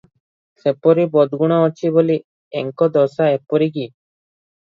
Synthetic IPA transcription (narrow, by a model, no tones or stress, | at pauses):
ʃepɔɾibɔd̪ɡuɽ̃aot͡ɕʰiboli | ɛŋkɔd̪ɔsaepɔɾiki